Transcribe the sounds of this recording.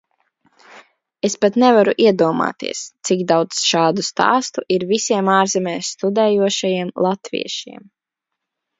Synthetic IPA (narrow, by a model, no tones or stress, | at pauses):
espat̪nɛvaɾuʔiɛd̪uɔma̰ːt̪ḭɛst̪siɡd̪awt̪sʃaːd̪ust̪a̰ːst̪uʔiɾvisiɛmaːɾzɛmʲɛːst̪ud̪ɛːjuɔʃajiɛmlˠat̪vḭɛʃḭɛm